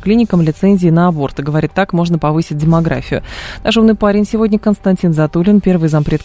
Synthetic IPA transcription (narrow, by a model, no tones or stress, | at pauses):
klʲinʲɪkəmlʲɪt̪sɛnʲzʲɪːnəɐbo̞rt̪ɨɡəvɐɾʲit̪ːakmo̞ʐnəpɐvɨsʲɪt̚ʲdʲɪmɐɡɾa̰fʲɪjʊ̰naʂumnɨjpaɾʲɪnʲsʲɪvo̞dʲnʲəkənst̪ɐnʲtʲinzɐt̪ulʲɪnpʲe̞rvɨjzɐpɾʲe̞t̪